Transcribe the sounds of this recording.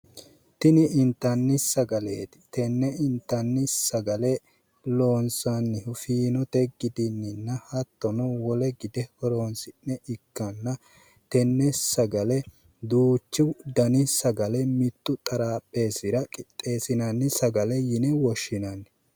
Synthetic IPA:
t̪ɪnɪɪnt̪ːɐnːɪsɐɡɐleːt̪ɪ̥t̪ɛnːɛɪnt̪ːɐnːɪsɐɡɐlɛ | loːnsanːɪhʊfiːnɔt̪ɛɡɪd̪ɪnːɪnːɐhɐt̪ːɔnɔwɔlɛɡɪd̪ɛhɔɾoːnsɪnːɛʔɪkːɐnːɐ | t̪ɛnːɛsɐɡɐlɛ | d̪uːt͡ʃːɪd̪ɐnɪsɐɡɐlɛmɪt̪ːʊt̪ʼɐɾaːpʼːe̞ːsɪɾɐkʼɪt̪ʼːe̞ːsɪnɐnːɪsɐɡɐlɛjɪnɛwɔʃːɪnɐnɛ

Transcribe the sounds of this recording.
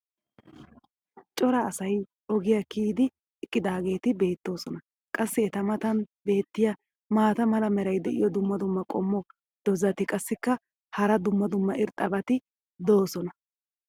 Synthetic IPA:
t͡ʃʼɔɾɐːsɐj | ɔɡɪjɐkiːd̪ɪ | ɪkʼːɪd̪aːɡe̞ːt̪ɪbe̞ːt̪ːo̞ːsɔnɐ | kʼɐsːɪɛt̪ɐmɐt̪ɐnbe̞ːt̪ːɪjɐ | maːt̪ɐmɐlɐmɛɾɐjd̪ɛʔɪ̰jɔd̪ʊmːɐd̪ʊmːɐkʼɔ̰mːɔ | d̪̥ɔzɐt̪ɪkʼɐsːɪkːɐ | hɐɾɐd̪ʊmːɐd̪ʊmːɐʔɪɾt̪ʼɐbɐt̪ɪ | d̪o̞ːsɔnɐ

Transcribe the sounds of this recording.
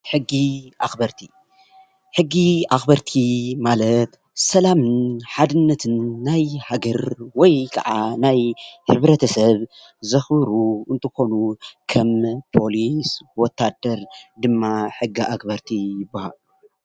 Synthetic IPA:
ħɨɡːiʔaxbɐɾt̪ʰi̥ | ħɨɡːiaxbɐɾt̪ʰimalɐt̪ | sɐlamɨnħad̪ɨnːɐt̪ʰɨnːajhaɡɐɾwɔjkʰɐ̰ʕanajħɨβɾɐt̪ʰɐsɐβ | zɐxbɨɾuɨnt̪ʰɨxo̞nukʰɐmpʰo̞liswɔt̪ʰːad̪ːɐɾd̪ɨmːaħɨɡːiʔakbɐɾt̪ʰijɪbːahalu

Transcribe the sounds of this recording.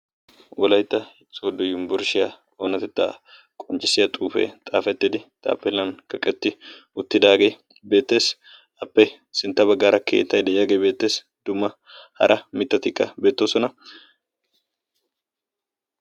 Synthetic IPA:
wɔlɐjt̪ːɐhɪt͡sʼːwɔd̪ʊjɪmbʊɾʃɪja | onɐt̪ɛt̪ːa̰ | kʼɔnt͡ʃʼɪsɪjɐt̪ʼuːfḛt̪ʼaːfɛt̪ːɪd̪ɪt̪ʼa̰ːpːɛlːɐnkɐkʼɛt̪ːɪ | ʊt̪ːɪd̪aːɡej | be̞ːt̪ːe̞ːs | ɐpːɛ | sɪnt̪ːɐbɐɡːaːɾɐkʰe̞̰ːt̪ːɐjd̪ɛʔɪjaɡejbeːt̪ːe̞ːs | d̪̥ʊmːɐ | hɐ̰ɾʔɐmɪt̪ːɐt̪ɪkʼːɐbeːt̪ːoːsɔnɐ

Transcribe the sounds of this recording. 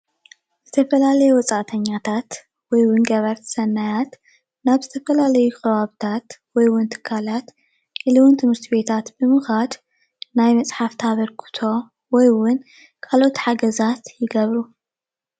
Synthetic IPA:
z̥ɨt̪ʰɐfɐlalɐjɛwɔt͡sʼaʔt̪ʰɐɲːat̪ʰat̪ | wɔjwʊnɡɐβɐɾt̪ʰsɐnːajat̪ | naβzɨt̪ʰɐfɐlalɐjukʰɐβaβɨt̪ʰat̪wɔjwʊnt̪ʰɨ̥kʰːalat̪ | ʔɨlɨwʊnt̪ʰɨmɨɾt̪ʰibe̞t̪ʰat̪bɨmɨxad̪ | najmɐt͡sʼħaft̪ʰaβɐɾkʰɨ̥t̪ʰo̞ | wɔjwʊn | kʰalʔo̞t̪ħaɡɐzat̪jɪɡɐβɾu

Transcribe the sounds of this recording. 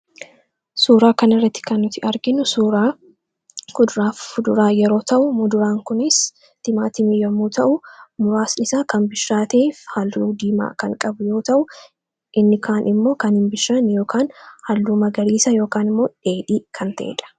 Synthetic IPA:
suːɾaːkɐnɪrːɐt̪ːɪ̥kɐnːʊt̪ɪʔɐɾɡɪnʊsuːɾaː | kʊd̪ʊɾaːfʊd̪ʊɾaːjɛɾo̞ːt̪ɐʔʊmʊd̪ʊɾaːŋkʊnɪs | t̪ɪmaːt̪ɪmijɐmuːt̪ɐʔʊmʊɾaːsɪsaːkɐmbɪʃɾaːt̪eːfhɐlːuːd̪iːma̰ːkɐŋkʼɐbʊjo̞ːt̪ɐʔʊ | ʔɪnːɪkʰaːnʔɪmːo̞ːkɐnhɪmbɪʃːɐnjo̞ːkʰaːnhɐlːuːmɐɡɐɾiːsɐjo̞ːkaːnɪmːo̞ːᶑeːᶑiːkʰɐnt̪ɐʔɛ̰ᶑɐ̥

